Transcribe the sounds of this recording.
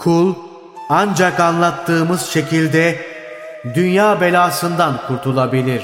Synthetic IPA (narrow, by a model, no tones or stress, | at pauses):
kʰulˠ | and͡ʒakanlˠat̪ʰːɯːmɯzʃe̞cʰilʲd̪ɛ | d̪ynjaːbe̞lʲaːsɯnd̪ankʰuɾt̪ʰulˠabilʲiɾ̝̥